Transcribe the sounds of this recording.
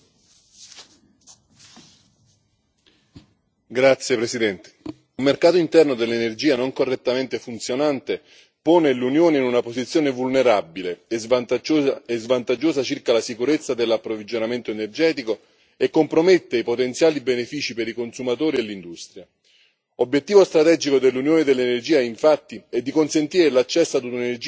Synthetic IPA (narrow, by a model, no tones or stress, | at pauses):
ɡɾat̪sːjepɾesid̪ɛnt̪e̥ | ulmerkaːt̪oint̪ɛrnod̪elːenerd͡ʒiːanoŋkorːet̪ːament̪efunt̪sjonant̪e | poːnelunjoːneinunapozit̪sːjoːnevulneɾabilez | ezvant̪ad͡ʒːoːzat͡ʃirkalasikuɾet̪sːad̪elːapːɾovid͡ʒonament̪oenerd͡ʒɛːt̪iko | ekːompɾomet̪ːeipot̪ent̪sjaːlibenefiːt͡ʃipeɾikonsumat̪oːɾielːind̪ust̪ɾja | objet̪ːiːvost̪ɾat̪ɛd͡ʒikod̪elːunjoːned̪elːenerd͡ʒiːaiɱfat̪ːiɛd̪ːikonsent̪iːɾelat͡ʃːɛsːad̪uunenerd͡ʒ